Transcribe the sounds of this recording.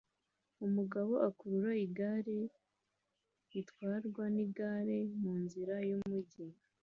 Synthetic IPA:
umuɡaβo̞ʔakuɾuɾaiɡaɾe | itkwaːɾɡwaniɡaɾemuːnziɾajumuɟi

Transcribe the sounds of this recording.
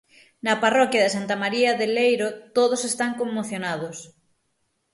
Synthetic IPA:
nɐparɔkjaðɪsant̪amaɾiaðelejɾot̪oð̞osest̪aŋkomːoθjonað̞os

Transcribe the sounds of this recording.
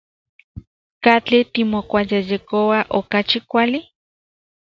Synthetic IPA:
kat͡ɬit̪imokʷajejekowaʔokat͡ʃikʷali

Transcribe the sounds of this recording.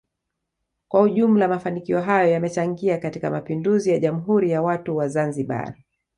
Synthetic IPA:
kwahuʄum̩lamafanikiɔɦajɔjamɛt͡ʃaŋɡiakatikamapinduzijaʄamuɦuɾijawatuwazanziɓa̰

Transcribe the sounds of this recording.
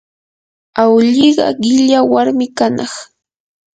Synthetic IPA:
awʎiɢɑ̰ɢɪʎawaɾmɪkanɑχ

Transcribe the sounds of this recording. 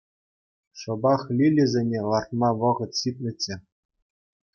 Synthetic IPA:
ʂɤ̆bɑχlʲilʲɘzʲenʲelˠɑrt̪mɑʋɤ̆ʁɤ̆t̪ɕit̪ʲnʲɘ̆t͡ɕːɘ̆

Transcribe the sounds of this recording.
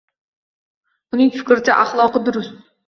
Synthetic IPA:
ʊnɪŋfɪkʲɾɪt͡ʃʰaʔaχlˠɒqɨd̪ʊɾʊst̪

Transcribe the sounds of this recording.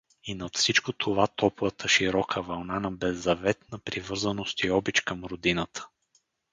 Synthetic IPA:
inɐt̪fsit͡ʃkot̪ʰovat̪ʰɔpvət̪ʰəʃiɾɔkʰəvɐlˠnanɐbɛzːɐvɛt̪nɐpɾivɤɾzənost̪iɔbit͡ʃkɐmɾod̪inət̪ʰə̥

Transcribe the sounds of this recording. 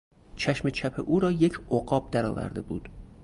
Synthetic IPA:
t͡ʃʰæʃmet͡ʃʰæpʰḛʔuːɾɒːje̞cʰoɢɒːb̥̚d̪æɾɒːvæ̰ɾd̪ḛbuːd̪̥

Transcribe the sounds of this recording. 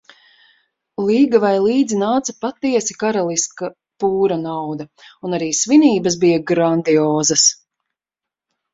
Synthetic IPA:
lˠiːɡavajlˠiːd̪zinaːt̪sɐpat̪ːiɛsikaɾalˠiska | puːɾɐnawd̪ɐunaɾiːsviniːbɐs̬bijaɡɾand̪iɔːzɐs

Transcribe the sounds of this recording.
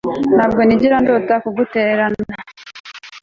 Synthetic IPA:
n̥haːb̚ɡo̞niɟiɾandoːtakuɡuteɾana

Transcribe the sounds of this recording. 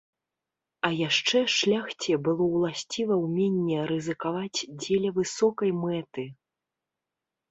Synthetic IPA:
ɐjaʂt͡ʂɛʂlʲaxt͡sʲɛbɨlˠɔwlˠasʲt͡sʲivɐwmʲenʲːɛɾɨzɨkavat͡sʲd͡zʲelʲɐvɨsɔkɐjmɛt̪ɨ

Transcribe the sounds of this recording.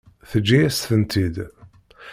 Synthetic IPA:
θəd͡ʒːiæsθənt̪ʰid̪

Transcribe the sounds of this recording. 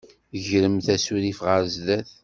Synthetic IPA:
ʝɾəmθæsuɾifʁəɾzðæθ

